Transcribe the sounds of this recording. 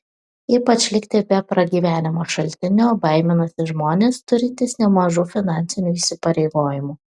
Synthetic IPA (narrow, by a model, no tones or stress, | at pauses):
iːpɐt͡ʃʲlʲɪkʲt̪ʲɪbʲɛpɾɐɡʲiːʋʲæːnʲɪmoːʃɐlʲt̪ʲɪnʲoːbɐɪmʲɪnɐsʲɪʒmoːnʲeːst̪ʊɾʲɪt̪ʲɪsnʲɛmɐʒuːfʲɪnɑˑnʲtsʲɪnʲuːisʲɪpɐɾʲɛɪɡoːjɪmuː